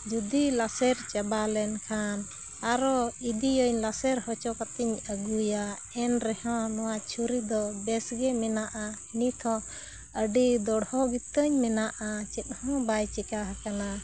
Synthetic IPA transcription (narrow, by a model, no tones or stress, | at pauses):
d͡ʒud̪ilasɛɾt͡ʃɛbalɛnkʰan | aɾɔid̪ijəɲlasɛɾhɔt͡ʃɔkat̪iɲəɡuja | ɛnɾɛhɔ̃nɔwat͡ʃʰuɾid̪ɔbɛsɡɛmɛnaʔahinit̪ʰɔ̃ | əɖid̪ɔɽhɔɡit̪əɲmɛnaʔat͡ʃɛt̪̚hɔ̃bajt͡ʃɛkaɦakana